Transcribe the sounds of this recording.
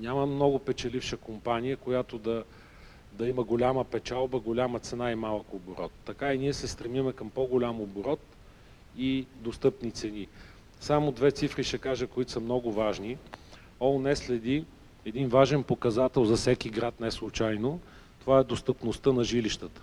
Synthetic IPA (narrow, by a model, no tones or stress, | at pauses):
ɲʲaməmnɔɡʊpɛt͡ʃɛlifʃəkompanijəkojat̪od̪ɐ | d̪ɐiməɡolʲaməpɛt͡ʃalˠbəɡolʲamət̪sɛnaimalˠkobɾɔt̪ːɐkainiɛsɛst̪ɾɛmimɛkəmpɔɡolʲamobɾɔt̪ | id̪ost̪ɤpnit̪sɛni | samod̪vɛt̪sifɾiʃɛkaʒəkoit̪o̥sɐmnɔɡʊvaʒni | ɔlnɛslɛd̪i | ɛd̪invaʒɛnpokɐzat̪ɛlˠzɐfsɛkiɡɾat̪nɛslˠʊt͡ʃajno | t̪ovaɛd̪ost̪əpnost̪ənɐʒiliʃt̪ət̪ə̥